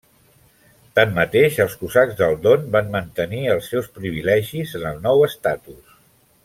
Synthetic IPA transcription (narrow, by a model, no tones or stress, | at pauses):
t̪amːət̪eʃəlˠskuzaɡzd̪əlˠd̪onbanmənt̪əniəlˠsːɛwspɾiβilɛʒizənəlˠnɔwəst̪at̪us